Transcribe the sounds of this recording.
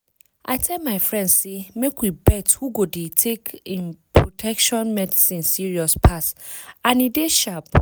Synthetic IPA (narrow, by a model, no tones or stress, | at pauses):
ʔa̰ɪtʰɛlmaɪfɹɛ̃ndsemekwibɛthuɡodetʰekĩmpʰɹotʰɛkʃɔ̃nmɛdisĩnsiɹiɔspʰasãnideʃap